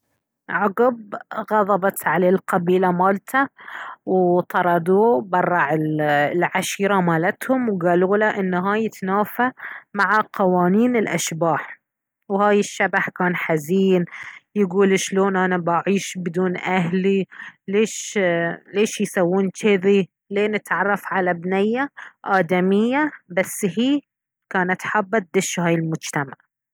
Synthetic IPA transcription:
ʕaɡɪbɣɑðˤɑbɑt̪ʕaleːlqɑbiːlamaːlt̪ʰawt̪ˤɑɾˤɑd̪uːbɑrˤːɑʕɪllʕaʃiːɾamaːlat̪hʊmwɡaːluːlaʔɪnːɦaːjɪt̪naːfamaʕaqɑwaːniːnɪlʔa̰ʃbaːħ | whaːjɪʃːabaħkaːnħaziːnjɪɡuːlʃloːnʔanabaʕiːʃbɪd̪uːnʔaɦlileːʃ | leːʃjsawːuːnt͡ʃɪði | leːnɪt̪ʕɑrˤːɑfʕalabnɪjːaʔaːd̪amɪjːabasːhiː | kaːnat̪ħabːat̪̚d̪ɪʃhaːjɪlmʊd͡ʒt̪amaʕ

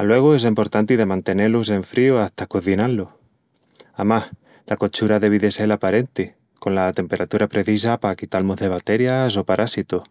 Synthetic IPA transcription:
alwe̞ɣ̞oe̞s̬impo̞ɾt̪ant̪iðe̞mãnt̪e̞ne̞lose̞ɱfɾioaht̪akoθinalːo | amah | lako̞t͡ʃuɾaðe̞β̞iðe̞se̞lapaɾe̞nt̪i | ko̞nlat̪e̞mpe̞ɾʔat̪uɾapɾe̞θis̬apakit̪almoðe̞β̞at̪e̞ɾjas̬o̞paɾʔasit̪o

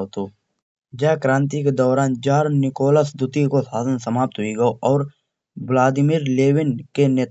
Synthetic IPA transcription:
ot̪oː | d͡ʒɛːkɾãːnt̪iked̪ɔːɾaːnd͡ʒaːɾnɪkoːləsd̪ʊt̪ikosaːzənsəmaːp̚t̪ɦʊiɡəoʔɔːɾ | blaːd̪ɪmiːɾleːwɪnkeneːt̪

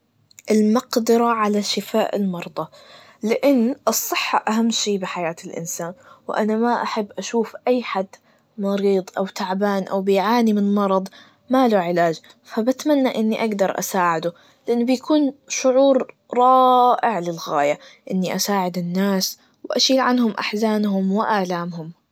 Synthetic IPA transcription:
ʔɪlmɑqd̪ɪɾaʕalaʃɪfaːʔɪ̰lmɑɾˤd̪ˤɑ | lɪʔɪnːʔɨsˤːɨħːaʔaɦamːʃiːbɪħajaːt̪ɪlʔɪ̰nsaːnwʔa̰namaʔaħabːʔaʃuːfʔajːħad̪ | mɑɾiːd̪ˤʔawt̪aʕbaːnʔa̰wbɪjʕaːnimɪnmɑɾˤɑd̪ˤ | maluʕɪlaːd͡ʒ | fabat̪manːaʔɪnːiʔaɡd̪ɑɾˤʔa̰saːʕɪd̪u | lɪʔanːbɪjakʰuːnʃʊʕuːɾ | ɾˤɑːʔɪʕlɪlɣaːjaʔɪnːiʔasaːʕɪd̪ɪnːaːs | wɪʔa̰ʃiːlʕanhʊmʔa̰ħzaːnɦʊmwɪʔaːlaːmhʊm

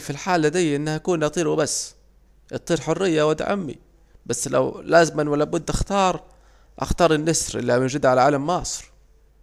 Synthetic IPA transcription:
filħaːlːad̪ijːʔɪnːahʔakuːnʔɑt̪ˤiːɾwɪbasː | ʔɑt̪ˤːiːɾħʊrːɪjːawat̪a̰ʕa̰mːḭ | basːla̰wlaːzɪmanwalːabʊd̪ːʔaxt̪ɑːɾˤ | ʔɑ̰xt̪ɑːɾˤɪnːɪsɾʔɪ̰lːamɪnʒɪd̪ʕalaʕaːlamːɑːsˤɾ

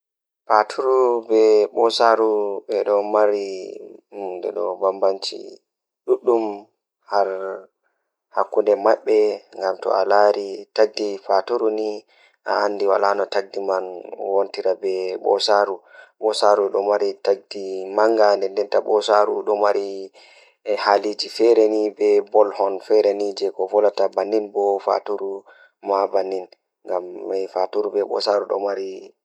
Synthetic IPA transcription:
patʰuɾubɛɓɔsaɾuɓɛɗɔmaɾi | dɛ̰ɗɔbambant͡ʃḭ | ɗuɗːum | haɾ | hakːundɛmaɓːɛŋɡamtɔ̰a̰laɾitaɡ̚difatuɾuni | ʔaːnːdiwa̰lanɔtaɡ̚dimanwontiɾabɛɓɔ̰saɾuɓɔsaɾuɗɔmaɾitaɡ̚dimaŋɡandɛndɛntaɓɔsaɾuɗɔmaɾi | halid͡ʒifɛɾenibɛbɔlhɔnfɛɾenid͡ʒɛkɔvɔlatabanːinbɔfa̰tuɾu | mabanːin | ŋɡamɛfatuɾubɛɓɔ̰saɾuɗɔ̰maɾi

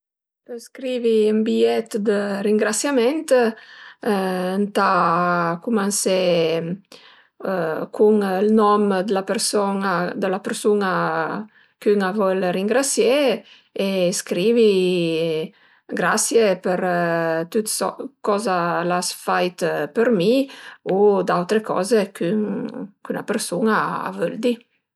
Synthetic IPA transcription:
pəskɾiviymbiɛt̪d̪əriŋɡɾasjamɛnt̪ | ənt̪akumanse | kʰuŋlnɔmd̪əlapəɾsɔnad̪əlapəɾsuna | kyŋavɔlriŋɡɾasje | eskɾivi | ɡɾasjepəɾt̪ut̪skɔzalasfajt̪pəɾmiud̪awt̪ɾekɔ̰zekʰyŋkyna̰pəɾsunaa̰vøld̪i

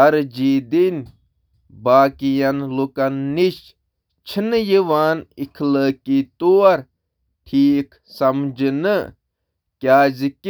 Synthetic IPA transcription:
ɐɾd͡ʒiːd̪in | baːkijɐnlukɐnːiʃ | t͡ʃʰinjiʋaːnikʰləːkiːt̪uɐɾ | ʈʰiːk | sɐmd͡ʒɨnɨ | kʲjaːzik

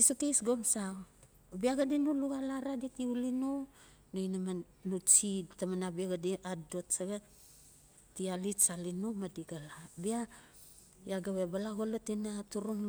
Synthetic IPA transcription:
isokejsɡo̞msa | biaɡadinuluɡalaɾaditiulinu | nojnama | nut͡ʃitamanabiaɡadiado̞tsaɡa | tialitsalinumadiɡalabia | jaɡaβebalaɡolotinatuɾuŋ

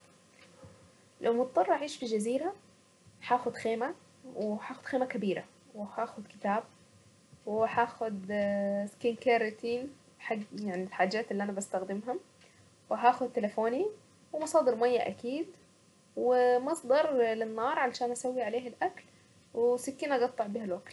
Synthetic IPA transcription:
lʔawmɑt̪̚ˤːɑrˤːʔaʕiːʃfid͡ʒaziːɾa | ħaːxʊd̪xeːma | wɪħaːxʊd̪xeːmakabiːɾa̰ | wɪhaːxʊd̪kɪ̥t̪aːb̚ | wɪħaːxʊd̪skinkaːɾɪt̪i | ħaɡjaʕnilħaːd͡ʒːaːt̪ɪlːiʔanabast̪axd̪ɪmɦa | wɪɦaːxʊd̪̚t̪ɪlɪfoːni | wɪmɑsˤɑːd̪ɪɾmajːaʔa̰kiːd̪ | wɪmɑsˤd̪ɑɾˤlɪnːɑːɾˤʕalʃaːnʔasawːiʕaleːɦɪlʔakl | wɪsɪkːiːnʔɑɡɑt̪ˤːɑʕbiːhalwakl

